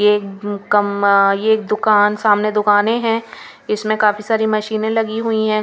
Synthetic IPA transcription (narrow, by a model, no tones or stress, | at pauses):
jekkɐmjeːk̚d̪ʊkaːnsaːmned̪ʊkaːnẽɦɛ̃ː | ɪsmẽkaːfisaːɾimɐʃiːnẽlɐɡiɦʊiɦɛ̃ː